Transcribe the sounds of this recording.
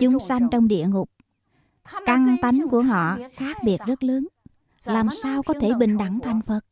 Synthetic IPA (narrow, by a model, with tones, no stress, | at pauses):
t͡ɕʊ˨˦ŋ͡msa˧jŋ̟t͡ɕɔ˧wŋ͡mɗḭ˧˨əŋʊ˨˩k͡p̚ | ka˧ŋt̪a˨˦jŋ̟ku˧˩əɦɔ̰˧˨xaː˦˥k̚ɓi˨˩ət̚zə˦˥t̚ləː˨˦n | laː˨˩msaː˧wkɔ˨˦t̪ʰe˧˩ɓï˧˨˩ŋ̟ɗa˧˩ŋt̪ʰa˨˩jŋ̟fə˨˩t̚